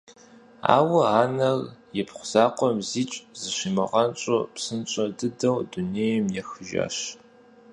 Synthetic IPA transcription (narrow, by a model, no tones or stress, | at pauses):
a̰ːwɐaːnɐrjɛpχʷʊz̥aːqʷɔmziːt͡ʃʼzɨʃimɨ̰ʁɐnt͡ʃʼopsɨnt͡ʃʼɐdɨdɐwduneːjɛmjɛxɨʒa̰ːʃ